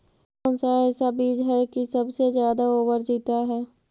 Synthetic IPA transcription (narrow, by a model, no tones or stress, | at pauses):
nsaɛsabiːd͡ʒɦɛkisɐbsezjaːd̪aoːbəɾd͡ʒiːt̪aɦɛː